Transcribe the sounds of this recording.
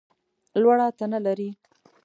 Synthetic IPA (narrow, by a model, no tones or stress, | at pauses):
lwaɽɑt̪analaɾi